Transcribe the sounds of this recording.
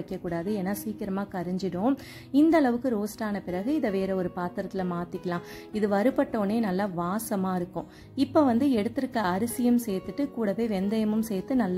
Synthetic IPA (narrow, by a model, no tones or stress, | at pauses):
ɐkːɐkːuːɽaːðɯɛnːɐsiːkɪɾɐmaːkɐɾɪɲd͡ʒɪɽʊ̃ː | ɪnd̪ɐɭɐʋɯkːɯɾoːsʈaːnɐpɪɾɐɣɯɪðɐʋeːɾɐɔɾɯpaːt̪ːɐɾɐt̪ːɪlɐmaːt̪ːɪkːɐlãː | ɪðɯʋɐɾɯpɐʈːoːneːnɐlːaʋaːsɐmaːɪɾɯkːʊ̃ | ɪpːoːʋɐnd̪ɯɛɽɯt̪ːɯɾɯkːɐːɾɪsɪjɐmsɛjt̪ːɯʈːɯkuːɽɐʋeːʋɛnd̪ɐjɐmɯmsɛjt̪ːɯnɐlː